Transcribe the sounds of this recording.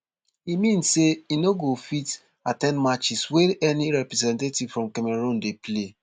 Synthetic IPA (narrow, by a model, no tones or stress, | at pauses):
imĩnsseinoɡofit | atɛ̃ndmat͡ʃisweɛniɾɛpɾɛzɛ̃ntetivfɹɔ̃mkɛmɛɾõndeple